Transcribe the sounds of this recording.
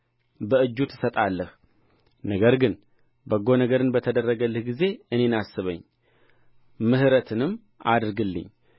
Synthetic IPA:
bəɨd͡ʒːut̪ʰɨ̥sət̪ʼalːəh | nəɡəɾɡɨn | bəɡo̞nəɡəɾɨnbət̪ʰəd̪ərːəɡəlːɨhɡize̞ɨne̞nasːɨβə̰ɲː | mɨhɨɾət̪ʰɨnɨmː | ʔad̪ɾɨɡɨlːɨ̰ɲː

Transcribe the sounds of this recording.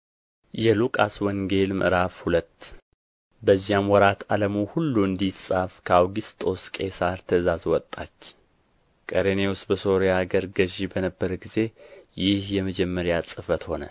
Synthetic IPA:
jɛlukʼaswɔŋɡe̞lmʔɨ̰ɾafhulət̪ː | bəzːijamwɔɾat̪ʰaləmuhulːuɨnd̪isʼafkʰəawɡist̪ʼo̞skʼe̞saɾt̪ʰəzazwɔt̪ʼːat͡ʃː | kʼəɾenewust̪bəso̞ɾjaɡəɾɡəʒibənəbːəɾɡize̞jɪhjɛməd͡ʒɛmːəɾjasʼɨfət̪ho̞nə̰

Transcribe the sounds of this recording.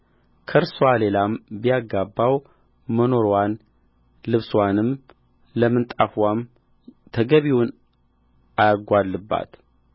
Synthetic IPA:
kʰəɾsowale̞lambijaɡːabːaw | məno̞ɾwan | lɨβswanɨm | ləmːɨnt̪ʼafwam | t̪ʰəɡəβiwʊn | ʔajaɡʷalːɨbːa̰t̪

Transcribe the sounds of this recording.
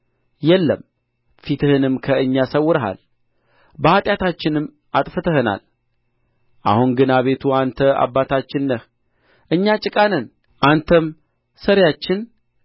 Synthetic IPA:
jɛlːə̰m | fit̪ʰɨhɨnɨmkʰəɨɲːasəwːʊɾəɦa̰l | bəhat̪ʼjat̪ʰat͡ʃːɪnɨmː | at̪ʼfɨt̪ʰəhɨna̰l | ʔa̰hunɡɨnaβe̞t̪ʰuant̪ʰəa̰bːat̪ʰat͡ʃːɪnːəh | ʔɨɲːat͡ʃʼɪkʼanən | ʔant̪ʰəm | səɾjat͡ʃːɪn

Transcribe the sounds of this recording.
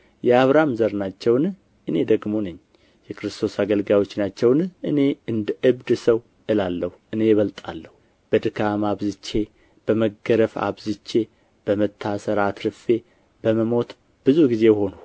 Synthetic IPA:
jɛaβɾamzəɾnat͡ʃːɛwn | ʔɨne̞d̪əɡmo̞nəɲː | jɛkʰɨɾɨst̪ʰo̞saɡəlɡawo̞t͡ʃːnat͡ʃːɛwnʔɨne̞ɨnd̪əʔɨβd̪səw | ʔɨlalːəhuʔɨne̞jɛβəlt̪ʼa̰lːəhu | b̥əd̪ɨkʰamaβzɨt͡ʃːe | b̥əməɡəɾəfa̰βzɨt͡ʃːe̞ | b̥əmət̪ʰːasəɾat̪ɾɨfe̞ | bəməmo̞t̪ | b̥ɨzuɡize̞jho̞nu

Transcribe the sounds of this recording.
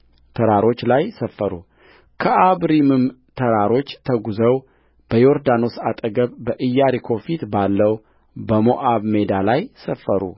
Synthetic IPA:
t̪ʰəɾaɾo̞t͡ʃːlajsəfːəɾṵ | kʰəʔaβɾimɨmt̪ʰəɾaɾo̞t͡ʃːt̪ʰəɡuzəw | b̥əjo̞ɾd̪ano̞sat̪ʼəɡəβbəʔɨjːaɾikʰo̞fit̪balːəw | bəmo̞ʔaβme̞d̪alajsəfːəɾṵ

